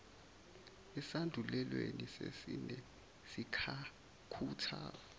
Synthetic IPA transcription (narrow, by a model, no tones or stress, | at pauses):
ɛsandʱulɛlwenisesinɛ | sikʰa | kʰuːtʰaː